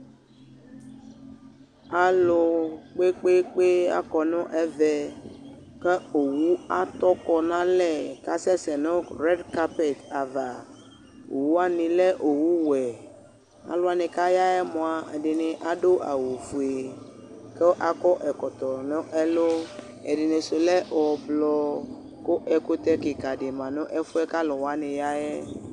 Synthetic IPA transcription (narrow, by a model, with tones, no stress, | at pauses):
a˨lo˨k͡pe˦k͡pe˦k͡pe˦a̰˦kɔ˨nɔ̃˦ʔɛ˦vɛ˨ | ke˦o˨wu˦a˦t̪ɔ˦kɔ˨nã˦lɛ˦˨ka˦sɛ˦sɛ˨nɔ̃˦ɾɛ˦ɖka˦pe˨t̪a˨va˨ | o˨wu˦a˦nĩ˨le˦ʔo˨wu˦wɛ˨ | a̰˨lo˦a˨nẽ˨ka˦ja˦ɛ˦mɔ̃˨a˨e˨ɖe˨ne˨ʔa˨do˦ʔa˨wo˨fu˨e˨ | ke˦ʔa˦kɔ˦ʔɛ˨kɔ˨t̪ɔ˨nɔ̃˦ʔɛ˦lo˦ | ɛ̰˨ɖe˨ne˨so˨lɛ˦ʔwɔ˨blɔ˦ | ko˦ʔɛ˨ko˦t̪ɛ˦ke˨ka˨ɖe˨mã˨nɔ̃˦ʔɛ˦fu˦ɛ˦ka˦lɔ˨wa˦nẽ˨ja˦ɛ˦